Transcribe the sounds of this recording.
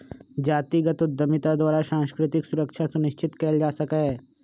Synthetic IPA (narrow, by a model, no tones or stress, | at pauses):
d͡ʒaːt̪iɡət̪ʊd̪ːəmɪt̪ad̪waːɾaʃãːnskɾɪt̪ɪksʊɾəkʃʰasunɪʃt͡ʃɪt̪kɛːld͡ʒaːsɐkaɦɛː